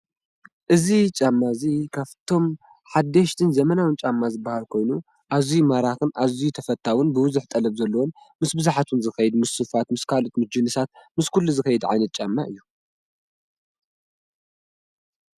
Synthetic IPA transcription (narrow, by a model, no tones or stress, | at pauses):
ʔɨzit͡ʃʼamːazikʰaβt̪ʰo̞m | ħad̪ːɐʃt̪ʰɨnzɐmɐnawɨnt͡ʃʼamːazɨbːahalkʰo̞jnu | ʔazimaɾaxɨnʔaβzijut̪ʰɐfɐt̪ʰːawɨnbɨbɨzɨħt̪ʼɐlɐβzɐlːɐwon | mɨsbɨzaħat̪ʰunzɨxɐjɛd̪mɨsːɨfat̪mɨskʰalot̪mɨd͡ʒɨnɨsat̪̚mɨskʰulːuzɨxɐjɛd̪ʕa̰jnɐt̪̚t͡ʃʼamːa̰ʔɨjːu